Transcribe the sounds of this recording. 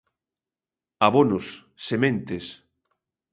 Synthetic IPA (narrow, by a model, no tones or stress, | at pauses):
aβonʊsː | emẽnt̪es